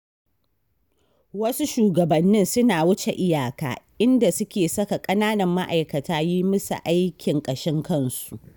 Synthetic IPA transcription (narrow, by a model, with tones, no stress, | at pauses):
wɐ˦su˦ʃuː˨ɡɐ˨bɐ˨nːɪ˦nsʊ˦naː˨wʊ˦t͡ʃḛ˨ʔɪ˦jaː˨ka̰ː˨ʔɪ˦nda˨sʊ˦kʲeː˨sɐ˦ka˨kʼɐ˦naː˦nɐ˨mːa˦ʔa˨jkɐ˨taː˦jiː˦mʊ˦sa̰˨ʔa˦jkʲɪ˨ŋkʼɐ˨ʃɪ˦ŋkɐ˦˨nsu˨ʔ